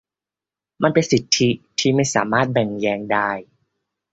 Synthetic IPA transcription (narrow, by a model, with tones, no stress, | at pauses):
ma˧npe˧nsi˨˩t̪ʰːi˦˥t̪ʰiː˥˩ma˥˩jsa̰ː˩˦maː˥˩t̪̚bɛ˨˩ŋjɛː˧ŋdaː˥˩j